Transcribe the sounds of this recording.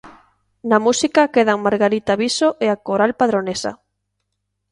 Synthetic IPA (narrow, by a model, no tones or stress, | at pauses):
namusikakeð̞aŋmaɾɣaɾit̪aβisoʔeakoɾalpaðɾonesa̰